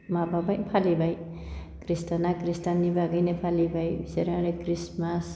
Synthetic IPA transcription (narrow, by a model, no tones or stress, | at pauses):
mababajpʰalibaj | kɾistanakɾistanːibaɡajnepʰalibajbiseɾaɾekɾismas